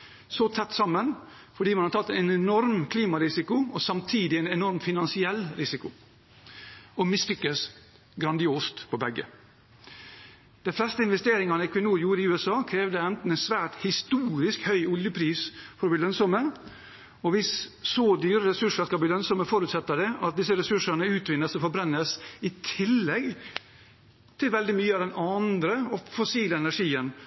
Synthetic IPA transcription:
sɔt̪ʰɛt̪ːsɑmːən | fɔɖiːmɛnhɑʈ̪ʰɑt̪ːɛɛnɛnɔɾmkʰliːmɑɾɪsɪkʊɔsɑmt̪ʰiːd̪ɪɛɪnɛnɔɾmfɪnɑnsɪɛlːɾɪsɪkʊ | ɔmɪslʏkːəs | ɡɾɑnd̪ɪoːst̪pʰɔbɛɡːə̰ | d̪̥ɛflɛst̪əɪnʋɛst̪eːɾɪŋɑnəɪkʰʋɪnuːɾjuːɾɪʉːɛsɑːkʰɾeːʋd̪əɛnt̪n̩ɛnsʋæːʈhɪst̪uːɾɪskhœʏʊljəpʰɾiːsfɔɾɔblilœnsɔmə | ɔʋɪssɔd̪yːɾəɾɛsʉʂəʂkɑlbliːlœnsɔməfɔɾʉːt̪sɛt̪ːəd̪ɛʔɑt̪̚d̪ɪs̬əɾɛsʉʂəɳəʉːt̪ʋɪnːəsɔfɔbɾɛnːəsɪt̪ʰɪlːɛɡ | t̪ʰɪlʋɛld̪ɪmyːəɑd̪ɛnʔɑnd̪ɾəɔfɔsiːləɛnæʂiːən

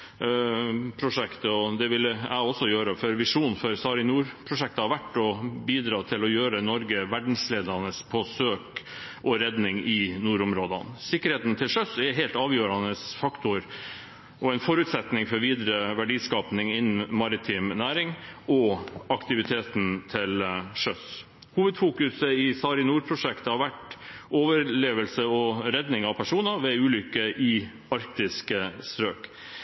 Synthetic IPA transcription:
pʰɾʊʂɛkt̪əɔd̪ɛʋɪlːəæɪɔsːɔjøːɾəfœɾʋɪʂuːnfɔɾsɑːɾɪnuːɾpʰɾʊʂɛk̚t̪əhɑʋæʈːɔbiːd̪ɾɑːt̪ʰɪlɔjøːɾənɔɾɡəʋæɖɳ̩sleːd̪ɑnəspʰɔsøːkʔɔɾɛd̪nɪŋɪnuːɾʊmɾoːd̪ɑnsɪkːəɾheːt̪n̩t̪ʰɪlʂœsɛɦeːlt̪ɑːʋjøːɾɑnəsfɑkt̪ʊɾ | ʔɔænfɔɾʉt̪sɛt̪nɪŋfɔɾʋiːd̪ɾəʋæɖiːskɑːpnɪŋɪnːn̩mɑɾɪt̪ʰɪmnæːɾɪŋɔɑkt̪ɪʋɪt̪ʰeːt̪n̩t̪ʰɪlʂœs | huːʋəd̪fuːkʉsəɪsɑːɾɪnuːɾpʰɾʊʂɛkt̪əhɑɾʋæʈoːʋəɾleːʋəlsəɔɾɛd̪nɪŋɑʋpʰæʂuːnəʋɛʉːlʏkːəʔɪ | ɑɾk̚t̪ɪskəst̪ɾøːk

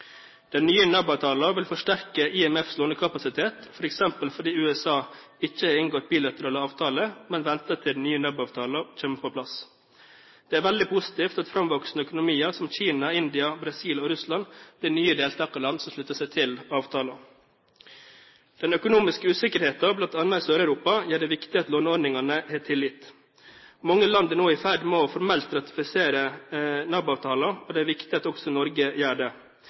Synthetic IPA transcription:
d̪̥ɛnːyːənœbɑːʋt̪ʰɑːlɑʋɪlfɔʂʈæɾkəʔɪɛmɛfsloːnəkʰɑpɑsɪt̪ʰeːt̪fɔɾɛksɛmpəlfɔɖ̪iːʉːɛsɑːɪçːəɪnŋɡoːt̪̚biːlɑt̪əɾɑːləɑːʋt̪ʰɑːləmɛnʋɛnt̪ət̪ʰɪld̪n̩yːənɑbɑːʋt̪ʰɑːləc͡çeːməpʰoːpʰlɑs | d̪̥ɛːæːɾʋɛld̪ɪpʰʊsɪ̥t̪iːft̪ɑt̪fɾɑmʋɔksnəœkʊnʊmiːəɾsɔmçiːnɑɪnd̪ɪɑbɾɑsiːloːɾʉslɑnb̥lɪnyːəd̪eːlt̪ʰɑːkɑlɑnd̪sɔmʂlʉt̪ːəsæɪt̪ʰɪlɑːʋt̪ʰɑːlɑ | d̪̥ɛnœkʊnuːmɪskəʉːsɪkəɾheːt̪ɑblɑnt̪ɑnːɑɪsøːɾæʉɾuːpɑjæːɖɛʋɪkt̪ɪɑt̪loːnɔɾɖnɪŋɑnəhɛːt̪ʰɪlːɪt̪ | mɑŋːəlɑnd̪ənoːɪfæɖmɔfɔɾmɛlt̪ɾɑt̪ɪ̥fɪseːɾənɑbʊɑːʋt̪ʰɑːlɑɔd̪ɛːæɾʋɪkt̪ɪɑt̪ɔksɔnɔɾɡəjæːɖɛ

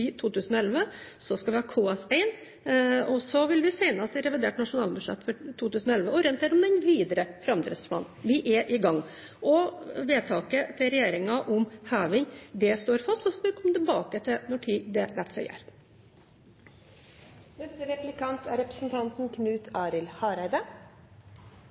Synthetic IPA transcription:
iːt̪ʰuːt̪ʉːsənɔɛlʋəsɔskɑʋɪhɑːkʰuːɛsɛɪn | ɔsɔʋɪlʋɪsæɪnɑst̪ɾɛʋɪd̪ḛːʈnɑʂʊnɑːlbʉʂɛ̰t̪ːfɔʈʰuːt̪ʉːsənɔɛlʋəɔɾɛnt̪ʰeːɾɔmd̪ɛnʋiːd̪əɾəfɾɑmd̪ɾɛ̰d̪spʰlɑ̰ːnnʋɪʔɛʔɪɡɑŋː | ʔɔʋeːt̪ʰɑːkət̪ʰɪlɾɛjeːɾɪŋɑʔʊmhæːʋɪŋd̪ɛst̪oːɾfɑst̪sɔfoːʋɪkʰɔmːət̪ʰɪlbɑːkət̪ʰɪnɔʈʰiːd̪ɛlɛt̪sɛ̰ɪæ̰ːɾ | nɛst̪əɾɛplɪkɑnt̪ʰæɾɛpɾəsn̩t̪ʰɑnt̪n̩kʰnʉːt̪ʰɑːɾɪlhɑːɾæɪd̪ə

